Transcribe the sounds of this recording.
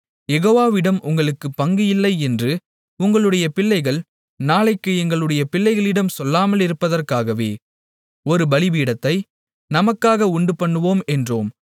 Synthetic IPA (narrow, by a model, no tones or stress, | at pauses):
jɛɣoːʋaːʋɪɽɐmʔʊŋɡɐɭɯkːɯpːɐŋɡɯjɪlːɐɪɛndrɯ | ʊŋɡɐɭɯɽɐjɐpɪlːɐɪɣɐɭ | naːɭɐɪkːɯɛŋɡɐɭɯɽɐjɐpɪlːɐɪɣɐɭɪɽɐmsɔlːaːmɐlɪɾɯpːɐðɐrkaːɣɐʋḛː | ɔɾɯbɐlɪbiːɽɐt̪ːɐɪ | nɐmɐkːaːɣɐʊɳɖɯpɐɳːɯʋoːmɛndroːm